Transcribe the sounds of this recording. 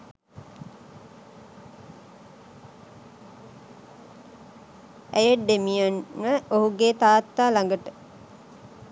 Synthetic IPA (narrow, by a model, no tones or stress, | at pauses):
æjəʈɖ̪emijanməʔoɦuɡeːt̪aːt̪ːaːlaŋɡəʈə